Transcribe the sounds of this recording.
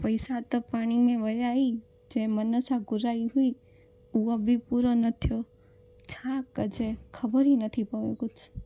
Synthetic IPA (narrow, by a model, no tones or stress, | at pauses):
pəjsat̪opaɽ̃inẽʋəjai | d͡ʒemənəsaɡʊɾaiɦui | uʋabʱipuɾonət̪ʰjo | t͡ʃʰakəd͡ʒekʰəbəɾinət̪ʰipəʋeɡut͡ʃ